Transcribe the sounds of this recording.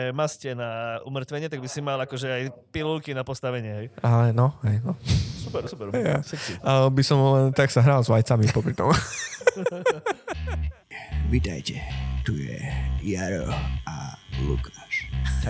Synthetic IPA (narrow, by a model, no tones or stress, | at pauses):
mascɛnaumrt̪ʋɛɲɪɛt̪aɡ̚bisimalakɔʒɛajpilulkinapɔst̪aʋɛɲɪɛɦɛjalɛnɔɦɛjnɔsupɛɾsupɛɾjasɛiabisɔmlɛnt̪aksaɦɾalzʋajt͡samipɔpɾit̪ɔm | ʋit̪ajcɛt̪ujɛ̰jaɾɔ̰alṵkʰaʃ